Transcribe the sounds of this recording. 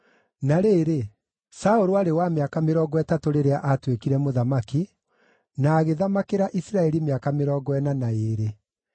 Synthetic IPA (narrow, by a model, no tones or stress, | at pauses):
naɾeːɾe | saoɾuaɾewameakameɾɔːɡɔɛtatoɾeɾeaʔatwekiɾɛmoðamaki | naːɣeðamakeɾaʔisɾaɛɾimeakameɾɔɡɔɛnanaeːɾe